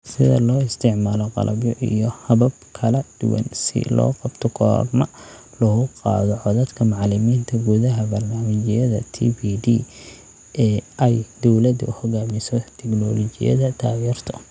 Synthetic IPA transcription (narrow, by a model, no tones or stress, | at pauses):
sɪðɐ̰lɔːɪst̪ʰɪʕmaːlɔqɑ̰lʔɐ̰bjɔʔḭjɔhɐbɐb̚kʰɐlɐd̪̥ʊwɐ̰nsɪ̰lɔ̰ːqɑbt̪ʰɔkʰɔ̰ːrmɐ | lɔɣʊqɑ̰ːðɔʕɔðɐd̪kʰɐmʊʕlɪmiːnt̪ʰɐɡuðɐɦɐbɐrnaːmɪt͡ʃɪjɐðɐ̰t̪ʰḭːbiːd̪iː | ɛːɛjd̪ɔwlɐd̪ʔhɔɣaːmɪsɔt̪ʰɛɡnɔːlɔt͡ʃɪjɐ̰ðɐt̪ʰaːjɛːrt̪ʰɔ